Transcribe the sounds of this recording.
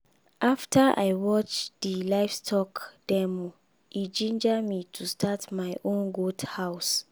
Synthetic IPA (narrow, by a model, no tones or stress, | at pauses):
ʔaftʰəʔa̰jwɔt͡ʃdilaɪfstʰɔkd̥ɛmu | id͡ʒĩnd͡ʒəmitʰustʰatmajʔõnɡodhaʊs